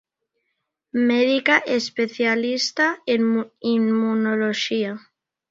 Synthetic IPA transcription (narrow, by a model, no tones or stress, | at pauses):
meðikaʔespeθjalist̪aemimmunoloʃia